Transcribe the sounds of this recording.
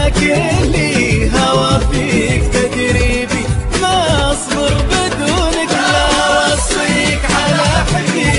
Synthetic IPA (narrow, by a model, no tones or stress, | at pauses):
kɪliɦawafiːkt̪ad͡ʒ̪ɾiːbimaʔɑsˤd̪ɨɾˤbɪd̪uːnɪklawɑsˤ | iːkʕalaħ